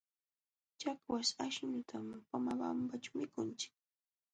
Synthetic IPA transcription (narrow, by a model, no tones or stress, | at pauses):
t͡ʃakwasaʃɲʊt̪ʰampamaba̰mpat͡ʃamɪkʊnt͡ʃɪ̥k̚